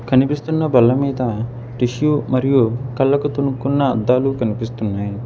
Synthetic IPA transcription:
kɐnipist̪unːɐbɐlːɐmiːd̪ɐ | ʈiʃjumɐɾijukɐlːɐkut̪unukunːɐːd̪ːaːlukɐnipist̪unːaːj

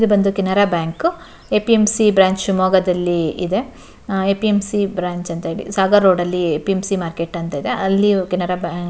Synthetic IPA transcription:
id̪ubɐnd̪ukinɐɾabjaːŋk | epiemsibɾaːɲt͡ʃʃumɔːɡɐd̪ɐlːiid̪e̞ | epiemsibɾaːɲt͡ʃɐnt̪ɐɦeːɭḭsaːɡɐɾoːɖɐlːiepiemsimaːɾkeʈːɐnt̪ɐid̪e̞ɐlːikinɐɾɐbaː

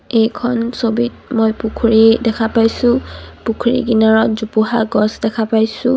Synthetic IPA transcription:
ejkʰɔnsobit̚mojpukʰuɹidɛkʰapajsʊ̃pukʰɹḭɡinaɹɔtzupuɦaɡɔsdɛkʰapajsʊ̃

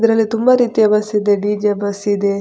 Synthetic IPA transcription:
d̪ɐɾɐlːit̪umbɐɾiːt̪iɐbɐsid̪eɖiːd͡ʒebɐsid̪e

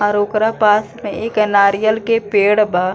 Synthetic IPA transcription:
aɾoːkɾapaːsmẽeːkɛnaːɾijəlkepeːɽbaː

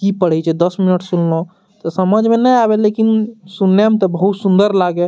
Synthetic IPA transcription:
kipəɽ̤ɛt͡ʃʰɛd̪əsminəʈsullõ | t̪ɔsəməd͡ʒʱmẽnɛabelekinsunjəmt̪ɔbəɦut̪sund̪əɾlaɡe

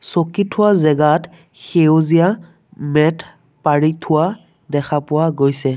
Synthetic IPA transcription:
sokitʰʊwazɛɡat | xewzija | mɛtʰ | paɹitʰʊa | dɛkʰapʊwaɡojsɛ

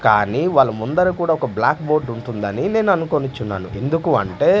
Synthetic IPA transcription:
kaːniːʋaːɭːɐmund̪ɐɾikuːɽaːɔkɐblaːkbo̞ːɖuɳʈund̪ɐnine̞ːnuɐnukoːnut͡ʃːunːa̰ːnue̞nd̪ukuɐ̰ɳʈe̞ː

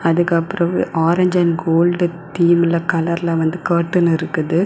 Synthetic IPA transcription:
ɐðɯkːɐpːɯɾɐ̃ʔaːɾɐɲd͡ʒɐnɡoːlɖt̪iːmɪlɐkɐlɐɾɪlɐʋɐnd̪ɯkɐːʈːɯnɪɾɯkːɐðɯ

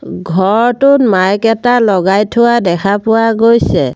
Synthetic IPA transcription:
ɡʱɔɹtʊnmajkɛtalɔɡajtʰʊwadɛkʰapʊwaɡojsɛ

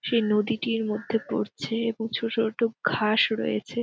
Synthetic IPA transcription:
ʃejnod̪iʈiɾmod̪ʱːepo̰ɾt͡ɕʰeeboŋt͡ɕʰotʰoʈoɡʱaʃɾo̰jḛt͡ɕʰe

